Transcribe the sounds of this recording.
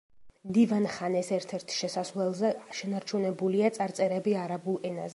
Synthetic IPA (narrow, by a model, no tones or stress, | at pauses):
md̪ivanχanɛsɛɾt̪ʰɛɾt̪ʰʃɛsaslɛlˠzɛʃɛnaɾt͡ʃʰunɛbuliat̪sʼaɾt̪sʼɛɾɛbiaɾabulˠɛnazɛ